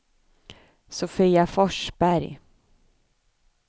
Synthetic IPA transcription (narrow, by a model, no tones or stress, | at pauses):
sʊfiːafɔʂb̥æɾj